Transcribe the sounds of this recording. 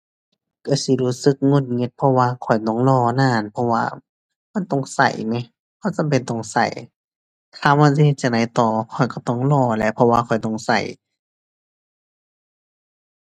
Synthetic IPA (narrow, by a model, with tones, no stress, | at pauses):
ka˧˩si˧˦˨luː˧˩sɯ˧˦k̚ŋo˧˨n̚ŋe˧˥t̪̚pʰɔ˧waː˧kʰɔ˨˩jt̪ɔ˧˩ŋlɔː˧˩naː˧˩˨npʰɔ˧wa̰ː˧ | ma˧˥˨nt̪ɔ˧˨ŋsa̰˨˧˩jna˧˦ | kʰa˧˩˨sa˧˨mpe˨nt̪ɔ˧˩˨ŋsa̰˨˩j | k̪ʰaː˧˩ma˧˨ns̬i˧he˧t̪̚t͡ɕa˧˩ŋda˧˩˦jt̪ɔː˧˩kʰɔ˨˩jkɔ˧˩t̪ɔ˧˩˨ŋlɔː˧˩lɛ˧˥pʰɔ˧waː˧kʰɔ˨˩jt̪ɔ˧˩ŋsa̰˨˩j